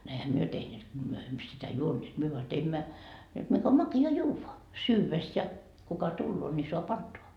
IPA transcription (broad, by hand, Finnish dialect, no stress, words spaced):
ne ehæ myø tehneːt ko myø emːø sitæ juonːeːt myø ʋoɑ teimːæ jot mik om mɑkiɑ juːʋːɑ syːʋes jɑ kukɑ tulːoː nʲi soɑp ɑntoɑ